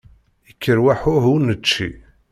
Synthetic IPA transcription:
ikːəɾwaħʊɦunət͡ʃːḭ

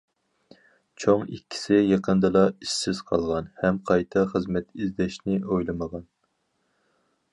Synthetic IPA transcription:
t͡ʃʰoŋikʲːi̥sɪjɑqʰənd̪ɨlˠɑiʃsɪz̥qʰɑlˠʁɑnhɛmqʰɑjt̪ʰɑχəzmɛt̪ʰizd̪ɛʃnɪojlˠɨməʁɑn

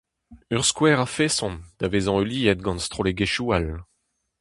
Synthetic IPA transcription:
œʁskwɛːʁafesɔ̃nd̪̥avezɑ̃øliːɛt̪̚ɡɑ̃nst̪ʁoleɡeʃual

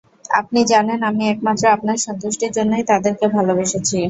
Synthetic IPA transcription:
a̰p̚nid͡ʑanenamiɛk̚mat̪ːɾoap̚naɾʃɔnt̪uʃʈiɾd͡ʑonːojt̪ad̪eɾkebʱalobeʃet͡ɕʰi

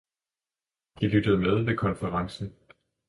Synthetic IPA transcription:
d̥ilyd̥əð̞̩ˠmeðˠʋe̝kʰɒ̽nfəʁɑ̈ŋsn̩

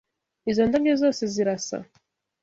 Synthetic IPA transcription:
izond̪aɡezoːseziɾasa̰

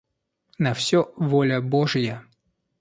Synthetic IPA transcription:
nɐfsʲovolʲəboʐɨjə

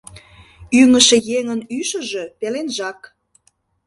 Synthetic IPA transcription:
yŋə̆ʃĕjeŋənyʃə̆ʒø̆pelenʒɑk

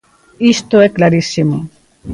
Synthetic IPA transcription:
iʃt̪oeklaɾisimu

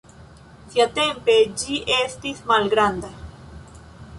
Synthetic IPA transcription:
siate̞mpe̞d͡ʒiʔe̞stismalɡɾand̪a

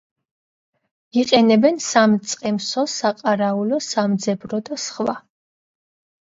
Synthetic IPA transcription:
iqʼɛnɛbɛnsamt̪sʼqʼɛmsɔsaqʼaɾaulɔsamd̪zɛbɾɔd̪asχwa̰

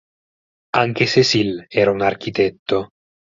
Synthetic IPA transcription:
aŋk̟esesilɛːɾaunark̟ʰit̪ɛt̪ːo

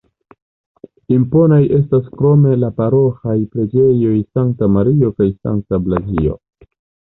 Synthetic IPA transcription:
impo̞najʔe̞s̬taskɾo̞me̞lapaɾo̞xajpɾe̞d͡ʒe̞jo̞jsaŋk̚tamaɾio̞kajsa̰ŋk̚tablazio̞̰

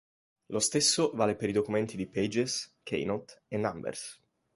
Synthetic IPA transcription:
lost̪esːovaːlepeɾid̪okument̪id̪ipɛd͡ʒeskʰḛjnot̪enːambḛrs

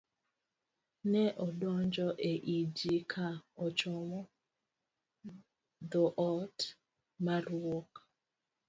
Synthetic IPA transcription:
nɛʔɔdɔnd͡ʒɔʔeʔid͡ʒikʰaɔt͡ʃɔmɔ | dɔʔɔt | maɾwok

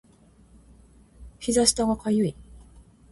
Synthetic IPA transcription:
ɸʲizaɕi̥t̪aɡakʰajɯi

